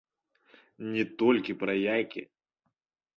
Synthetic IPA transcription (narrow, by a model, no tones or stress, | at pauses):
nʲɪt̪olʲkʲɪpɾɐjajkʲɪ̰